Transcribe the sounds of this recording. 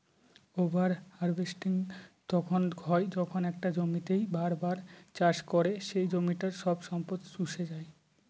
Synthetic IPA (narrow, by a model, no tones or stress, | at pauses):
obaɾhaɾbesʈiŋt̪ɔkʰonɡʱɔed͡ʑɔkʰonɛk̚ʈad͡ʑomit̪ejbaɾbaɾt͡ɕaʃkoɾeʃejd͡ʑomiʈaɾʃɔbʃɔmpot̪suʃed͡ʑae